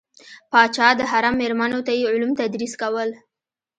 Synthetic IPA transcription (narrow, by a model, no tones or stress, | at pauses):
pɑt͡ʃɑd̪əɦaɾamːeɾmanot̪ajeʊlumt̪ad̪ɾiskawəl